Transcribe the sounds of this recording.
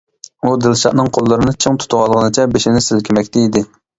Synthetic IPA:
ud̪ɪlˠʃɑʔnɨŋqʰolˠːɨɾɨnɨt͡ʃʰiŋt̪ʰu̥t̪ʊʁɑlˠʁənɨt͡ʃʰɛbeʃɪnɪsɪlkʲimɛkʲt̪ʰɛid̪ɪ

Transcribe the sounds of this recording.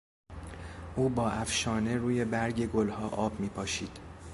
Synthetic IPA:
ʔuːbɒːʔæfʃɒːne̞ɾuːje̞bæɾɟe̞ɡolhɒːʔɒːbmiːpʰɒːʃiːd̪̥

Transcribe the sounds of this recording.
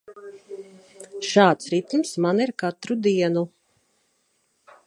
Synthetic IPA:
ʃɑːt̪sɾit̪umsmaniɾkat̪ɾud̪iɛnu

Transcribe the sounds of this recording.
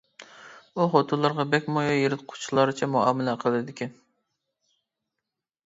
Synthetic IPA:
uχot̪ʰulˠɑɾʁɑbɛkʲmojɑjeɾɪt̪̚qʰʊ̥t͡ʃʰlˠɑɾɨt͡ʃʰɛmuɑ̰ːmɪlɛqʰəlˠɨd̪ɪkʲɛn

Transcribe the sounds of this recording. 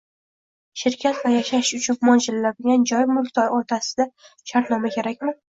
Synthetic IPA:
ʃɪɾkʲʰat̪vajaʃaʃʊt͡ʃʰʊnmɒnd͡ʒɪllad̪ɪɡʲand͡ʒɒjmʊlˠkʲt̪ʰɒjɒɾt̪ʰasɪd̪a | ʃaɾt̪nɒmakʲe̞ɾakʲmɪ

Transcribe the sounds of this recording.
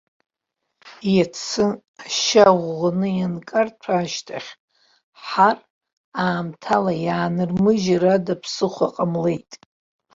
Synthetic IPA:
jat͡sʰɨ | aʃaʁʷːanɨjankʼart͡sʷʰaːʃtʰaχʲ | ħar | aːmtʰalajaːnɨrmɨʒaradapʰsɨχʷaqʼamle̞jtʼ

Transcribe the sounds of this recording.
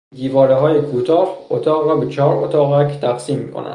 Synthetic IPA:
d̪iːvɒːɾeɦɒːjekʰuːt̪ʰɒːhot̪ʰɒːɣɾɒːbet͡ʃʰɒːɾot̪ʰɒːɣækʰt̪ʰæxsiːmːiːkʰo̰næ̰̥

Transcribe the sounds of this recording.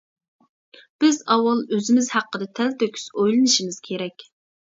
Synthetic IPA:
b̥ɪzɑwːɑlˠøzɪmɪzhæqːəd̪ɨt̪ʰɛlt̪økʲʰy̥sojlˠɨnɨʃimɪz̥kʲʰeɾɛkʲ

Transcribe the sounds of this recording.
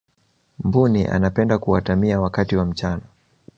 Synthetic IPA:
mbuniʔa̰napɛndakuwatamiawakatiwam̩t͡ʃana

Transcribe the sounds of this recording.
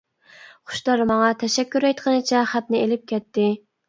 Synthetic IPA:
χʊ̥ʃd̪ɑɾmɑŋɑt̪ʰɛʃɛkʲːyɾɛjt̪qʰənɨt͡ʃʰɛχæt̪̚nɪelɪp̚kʲʰɛt̪ːɪ

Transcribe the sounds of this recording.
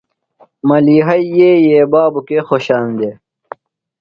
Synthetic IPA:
mɐliːɦɐijeːjeːbaːbukeːxoɕaːnd̪eː

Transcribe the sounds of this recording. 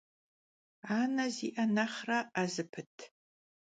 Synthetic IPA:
aːnɐziʔɐnɐχrɐʔazɨpʰɨtʰ

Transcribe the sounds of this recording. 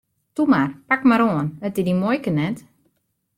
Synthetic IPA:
tumarpakmaɾoːənətidimojkənɛt

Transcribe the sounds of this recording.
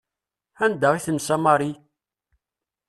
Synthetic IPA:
ænd̪əʁiθəmsamɑɾˤi

